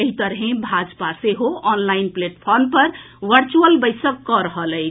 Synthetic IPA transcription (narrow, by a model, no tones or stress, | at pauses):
əɦit̪əɾɦẽbʱad͡ʒpaseɦoɔnlainpleʈpʰɔɾmpəɾ | ʋəɾt͡ʃuəlbəjsəkːɔɾəɦələɪt͡ʃʰ